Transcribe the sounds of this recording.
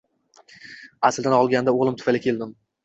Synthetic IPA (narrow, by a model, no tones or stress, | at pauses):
asld̪anɒlˠɡʲand̪aoʁlˠɪmt̪ʰʊfalɪkʲʰe̞ld̪ɪm